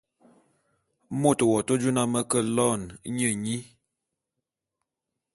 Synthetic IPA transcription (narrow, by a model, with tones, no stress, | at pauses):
mo˦˨to˨wɔ˨to˦d͡ʒu˦na˦mə˦kə˦lɔ˦˨n˦ɲə˦˨ɲi˦